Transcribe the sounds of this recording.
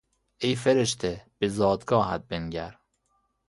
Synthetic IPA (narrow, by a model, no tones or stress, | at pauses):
ejfeɾeʃt̪ʰeb̥ezɒːd̪ɡɒːhæd̪̚benɟæɾ